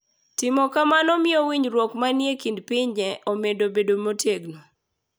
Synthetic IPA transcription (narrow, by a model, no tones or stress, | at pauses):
tɪmɔkamanɔmɪɔwiɲɾwɔkmanjekindpɪɲd͡ʒɛʔɔmedobedomoteɡno